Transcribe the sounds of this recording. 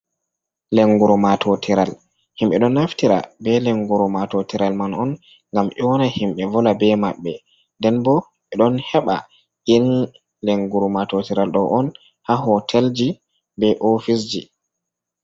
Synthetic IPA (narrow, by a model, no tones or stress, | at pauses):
leŋɡuɾumatʰɔtʰiɾal | himɓɛɗɔnːaftiɾa̰bɛlɛŋɡuɾɔmatɔtiɾalmanɔn | ŋɡamʔɛwɔnahimɓɛvɔlabɛmaɓːɛ | ndɛnbɔ | ɛɗɔnhɛɓa̰ | ʔin | leŋɡuɾumatɔtiɾalɗɔʔɔn | haɦɔtʰɛld͡ʒi | bɛʔofisd͡ʒi